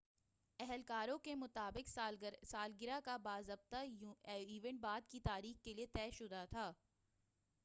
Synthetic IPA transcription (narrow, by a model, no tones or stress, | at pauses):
ɛɦɛlkaːɾõkemʊt̪aːbɪksaːlɡɪɾakabaːzɐb̚t̪aiːʋɛ̃ɳʈ̚baːd̪kit̪aːɾiːxkeliet̪ɛːʃʊd̪at̪ʰaː